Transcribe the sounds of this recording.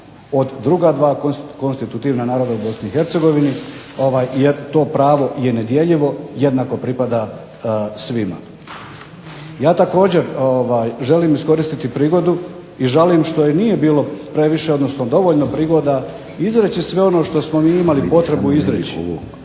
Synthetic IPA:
o̞d̪ːɾuɡad̪ʋaːkokonst̪it̪ut̪iːʋnanaːɾo̞d̪aubo̞sniːxe̞ɾt̪se̞ɡo̞ʋinio̞ʋaːjjeɾt̪o̞ːpɾaːʋo̞jened̪je̞ʎiʋo̞je̞d̪naːko̞pɾipad̪a | sʋima̰ | jaːt̪ako̞ːd͡ʑe̞ɾoʋaːjʒe̞liːmisko̞ɾist̪it̪ipɾiːɡo̞d̪u | iʒaliːmʃt̪o̞jenije̞biːlo̞pɾe̞ʋiʃe̞od̪nosnod̪o̞ʋo̞ʎno̞pɾiːɡo̞d̪a | izɾet͡ɕisʋe̞o̞no̞ːʃt̪o̞smo̞miːimalipo̞t̪ɾe̞buizɾet͡ʃi

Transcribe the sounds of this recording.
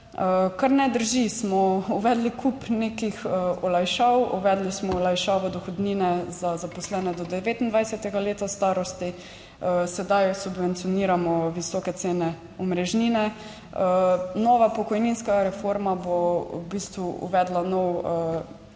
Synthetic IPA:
əkaɾnɛd̪əɾʒismɔuʋɛd̪likʰupneːkixɔlajʃawuʋɛd̪lismɔɔlajʃawʋɔd̪ɔxɔd̪niːnɛzazapɔslɛːnɛd̪ɔd̪ɛʋeːt̪ind̪ʋajsɛt̪ɛɡaleːt̪ast̪aːɾɔst̪i | əsɛd̪ajsubʋɛnt̪sijɔniːɾamɔʋisɔkɛt̪seːnɛ | ɔmɾɛʒniːnɛ | ənɔʋapɔkɔjninskaɾɛfoɾmabobist̪ʋuṵʋɛd̪lanɔwə

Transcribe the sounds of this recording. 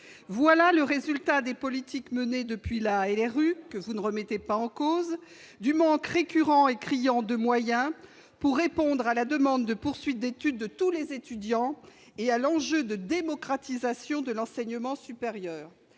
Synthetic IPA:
vwalaləʁezylt̪ad̪epɔlit̪ʰikməned̪əpɥilaɛlɛʁykəvunəʁəmɛt̪epaɑ̃koz | d̪ymɑ̃kʁekʲyʁɑ̃ekχijɑ̃d̪əmwajɛ̃ | puʁːepɔ̃d̪ʁalad̪əmɑ̃d̪ːəpuʁsɥit̪̚d̪et̪yd̪ːət̪ulezet̪yd̪jɑ̃ | ealɑ̃ʒød̪əd̪emɔkχat̪izasjɔ̃d̪əlɑ̃sɛɲəmɑ̃sypeʁjœːʁ

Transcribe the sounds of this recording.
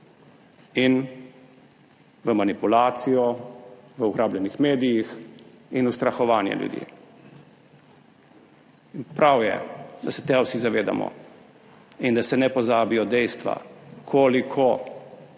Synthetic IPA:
in | ʋəmanipulaːt̪sijɔʋəuɡɾaːblʲjɛnixmeːd̪ijix | inust̪ɾaxɔʋaːnjɛ̰ljṵd̪jḭː | npɾawjɛ̰d̪asɛt̪ɛwsizaʋeːd̪a̰mɔ̰ | ind̪asɛnɛpɔzaːbijɔd̪ɛjst̪ʋa̰kʰoːlikʰɔ

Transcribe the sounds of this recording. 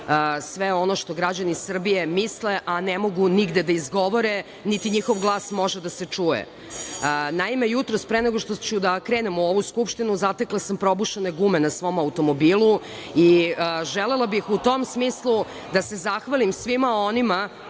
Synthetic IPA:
əsʋeo̞noʃt̪o̞ɡɾad͡ʑanisr̩bije̞misleʔanemo̞ɡuniɡd̪e̞d̪aizɡo̞ʋoɾe | nit̪iɲixo̞ʋɡlˠaːsmo̞ʒed̪aset͡ʂujḛ | naimejut̪ɾospɾeneɡoʃt̪ot͡ɕud̪akɾeːnemuoʋuskupʃt̪inuzat̪eklˠasampɾo̞buʃene̞ɡumenasʋo̞maut̪o̞mo̞biːlu | iəʒelelˠabixut̪o̞msmiːslˠu | d̪ase̞zaxʋalimsʋimao̞nima

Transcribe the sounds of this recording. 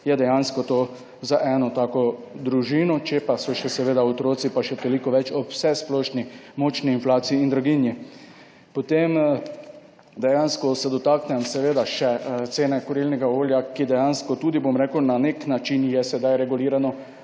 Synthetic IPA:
jɛd̪ɛjanskɔt̪oː | zaʔɛnɔt̪aːkɔd̪ɾuʒiːnɔt͡ʃɛpasɔʃɛsɛʋeːd̪aot̪ɾoːt̪sipaʃɛt̪olikɔʋɛt͡ʃɔpwsɛsplɔːʃnimɔt͡ʃniːnflaːsiiːnd̪ɾuɡinji | pɔt̪em | d̪ɛjanskɔsɛd̪ɔt̪aːknɛmsɛʋeːd̪aʃɛt̪seːnɛkɔɾilnɛɡaoːljakid̪ɛjanskɔt̪uːd̪ibomɾɛːkəwnaneknat͡ʃinjɛsɛd̪ajɾɛɡuliːɾanɔ

